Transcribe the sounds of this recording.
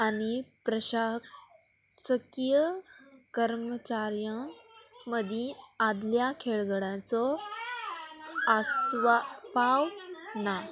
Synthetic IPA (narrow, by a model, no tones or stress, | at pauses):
anipɾəɕa | səkijə | kəɾmət͡ɕaɾjã | məd̪ʱĩad̪ljakʰeɭɡəɽãt͡sɔ | asʋapawna